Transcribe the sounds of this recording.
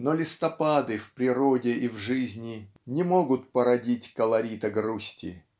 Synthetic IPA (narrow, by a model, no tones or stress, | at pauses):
nolʲɪst̪ɐpad̪ɨfpɾʲɪɾodʲɪʔivʐɨzʲnʲɪ | nʲɪmoɡʊt̪pəɾɐdʲitʲkəlˠɐɾʲit̪əɡrusʲtʲɪ̰